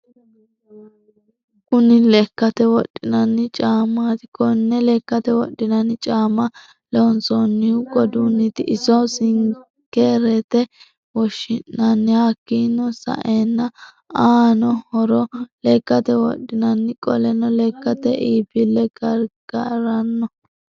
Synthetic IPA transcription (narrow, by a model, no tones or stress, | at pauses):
kʊnɪlɛkːɐt̪ɛwɔɗːɪnɐnːɪt͡ʃʼaːmat̪ɪ̥kɔnːɛlɛkːɐt̪ɛwɔ̰ɗːɪnɐnːɪt͡ʃʼaːmɐ | lɛɔnsɔnːɪɡɔd̪unːɪt̪ɪʔɪsɔsɪŋ | kːeɾɛt̪ɛ | wɔʃɪnːɐnːɪhakːiːnːɔsɐ̰ʔeːnːɐ | aːnɔhɔɾɔlɛkːɐt̪ɛwɔ̰ɗːɪnɐnːɪkʼɔlɛnɔlɛkːɐt̪ɛʔiːbɪlːɛɡ̥ɐɾɡ̥ɐɾɐnːɔ